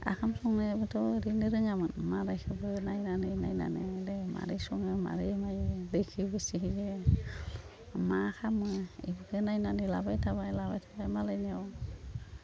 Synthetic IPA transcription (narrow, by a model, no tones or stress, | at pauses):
a̰kʰamsɔŋnɯbɯtʰɔɾinɯɾɯŋamɯnmaɾajkʰɯbɯnajnanɯna̰jna̰nɯ̰dema̰ɾisɔŋɯma̰ɾimajlejkʰɯbɯsikize | makʰamɯḭbɯkʰɯnajnanilabajtʰabajlabajtʰabajmalanaw